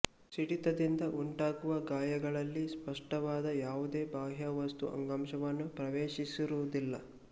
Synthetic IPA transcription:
siɽit̪ɐd̪ind̪ɐʔuɳʈaːɡuʋɐɡaːjɐɡɐɭɐlːispɐʂʈɐʋaːd̪ɐjaːʋud̪eːbaːɦjɐʋɐst̪uʔɐ̰ŋɡɐmʃɐʋɐnːupɾɐʋeːʃisiɾuud̪ilːɐ

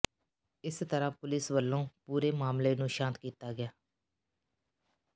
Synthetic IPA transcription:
ɪst̪əɾãːpʊlɪsʋəlːõːpuːɾeːmaːmleːnũːʃãːnt̪kiːt̪aːɡɪjaː

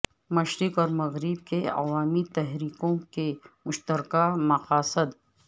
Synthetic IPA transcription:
mɐʃɾɪkɔːɾmɐɣɾib̚keɐ̰ʋaːmit̪ɛɦɾiːkõkemʊʃt̪əɾkamɐqaːsəd̪

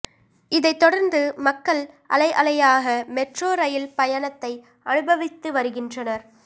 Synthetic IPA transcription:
ɪðɐɪt̪ːɔɽɐɾnd̪ɯmɐkːɐɭʔɐ̰lɐɪʔɐlɐjaːɣɐmɛʈroːɾɐjɪlpɐjɐnɐt̪ːɐɪ | ʔɐnɯbɐʋɪt̪ːɯʋɐɾɯɣɪndrɐnɐɾ

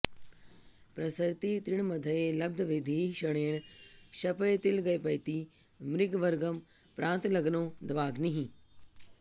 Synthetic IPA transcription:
pɾɐsəɾt̪it̪ɾɪɽ̃mɐd̪ʱəelɐb̚d̪ʱʋɪd̪ʱiʃɐɽ̃eːɽ̃ʃɐpəet̪ɪlɡɐepɐit̪i | mɾɪɡʋɐɾɡəm | pɾʔãːnt̪lɐɡnõd̪ɐʋaːɡniɦĩː

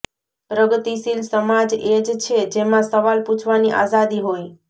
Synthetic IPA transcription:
pɾəɡət̪iʃilsəmad͡ʒed͡ʒt͡ʃʰed͡ʒemãsəʋalput͡ʃʰʋaniʔa̰zad̪iɦoj

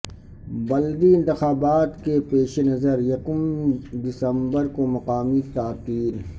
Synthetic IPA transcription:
bɐld̪iɪ̃nt̪ɪxaːbaːt̪kepeːʃenɐzəɾjɐkʊmd̪ɪsəmbəɾkomɐqaːmit̪aːt̪iːɾ

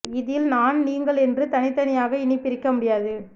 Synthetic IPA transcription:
ɪðɪlnaːnniːŋɡɐɭɛndrɯt̪ɐnɪt̪ːɐnɪjaːɣɐɪnɪpːɪɾɪkːɐmʊɽɪjaːðɯ

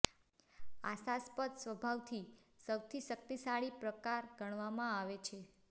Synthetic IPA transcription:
asaspəd̪sʋəbʱaʋt̪ʰi | səwt̪ʰiʃək̚t̪isaɭipɾəkaɾɡəɳ̃ʋamãaʋet͡ʃʰe

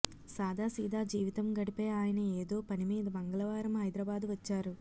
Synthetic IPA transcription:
saːd̪ʱaːsiːd̪aːd͡ʒiːʋit̪ɐmɡɐɽipeːaːjɐnɐeːd̪o̞ːpɐnimiːd̪ɐbɐŋɡɐlɐʋaːɾɐmɦɐjd̪ɾɐbaːd̪uʋɐt͡ʃːaːɾu

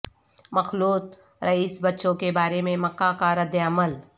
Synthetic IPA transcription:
mɐxluːt̪̚ | ɾɐiːsbɐtːʃõkebaːɾemẽmɐkːakaɾɐd̪əəməl

